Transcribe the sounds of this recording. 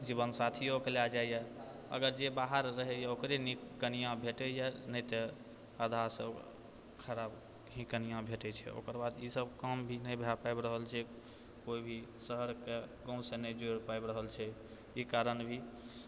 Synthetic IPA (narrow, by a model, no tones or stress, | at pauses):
d͡ʒiβənsat̪ʰijokelad͡ʒajjɛ | ə̰ɡəɾd͡ʒebaɦəɾːəɦɛjɛokɾenikːənijãbʱeʈɛjɛnət̪ə | ad̪ʱaɾsə | kʰəɾab | ɦĩkənijãbʱeʈɛt͡ʃʰɛ̰o̰kəɾbad̪isəbkəmbʱinəbʱeapajbɾəɦəlt͡ʃʰɛ | koibʱisəɦəɾkeɡɔ̃w̃sẽnəd͡ʒoɾpajbɾəɦəlt͡ʃʰɛ | ikaɾənbʱi